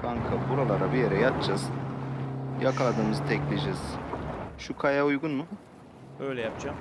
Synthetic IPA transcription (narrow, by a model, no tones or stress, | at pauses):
kʰaŋkʰabuɾalˠaɾabijeɾɛjat̪t͡ʃʰaz | jakʰalˠad̪ɯːmɯzt̪ʰɛclʲed͡ʒiz̥ʃukʰajaujɡunmu | øjlʲɛjapd͡ʒam